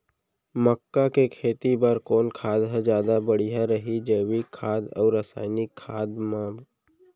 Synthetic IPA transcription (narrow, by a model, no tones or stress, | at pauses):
məkːakekʰeːt̪ibəɾkoːnkʰaːd̪ɦɛd͡ʒjaːd̪abəɽiɦaɾəɦid͡ʒeːwikʰaːd̪ɔ̰ːɾːəsa̰ːɪnikʰːaːd̪mã